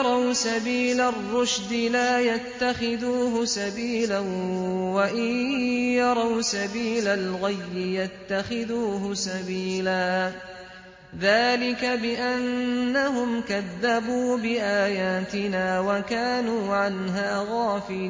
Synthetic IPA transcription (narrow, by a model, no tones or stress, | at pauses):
ɾˤɑwsabiːlarˤːʊʃd̪ɪlaːjat̪ːaxɪðuːɦʊsabiːlawaʔɪjɑɾˤɑwsabiːlalɣajːɪjat̪ːaxɪðuːɦʊsabiːlaː | ðaːlɪkabɪʔanːaɦʊmkaðːabuːbɪʔaːjaːt̪ɪnaːwakaːnuːʕanɦaːɣɑːfi